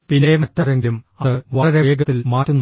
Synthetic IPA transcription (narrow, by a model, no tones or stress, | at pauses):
pinːejɐmɐtːɐɾeŋɡilum | ɐðɨʋɐɭɐɾeeːɡɐt̪ːilmaːtːunːu